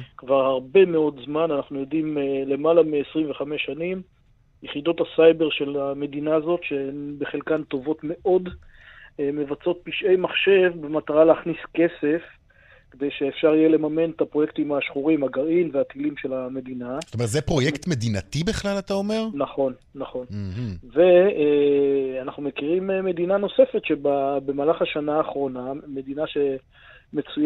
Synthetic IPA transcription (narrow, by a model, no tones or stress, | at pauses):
kvaʁhaʁbe̞meo̞dzmananaχnujo̞dimle̞malamiesʁimveχame̞ʃanim | jeχido̞t̪hasajbe̞ʁʃe̞lame̞dinaːzo̞tʃebeχelkant̪o̞vo̞t̪me̞ʔo̞d | me̞vat͡so̞t̪̚piʃʔe̞jmaχʃe̞vbemat̪aʁaleaχniske̞se̞f | ked̪e̞jʃeːfʃaʁijele̞mame̞net̪apʁo̞je̞kt̪imhaʃχuʁimhaɡaʁinveat̪ilimʃe̞lame̞d̪inazot̪omet̪zepʁo̞jekt̪me̞d̪inat̪ibeχlalat̪ao̞meʁnaχo̞nːaχo̞nve̞ | anaχnumekiʁimeme̞d̪inano̞se̞fe̞t̪ʃe̞babe̞maːlaχaʃanaːχʁo̞name̞d̪inaʃe̞ | me̞t͡suj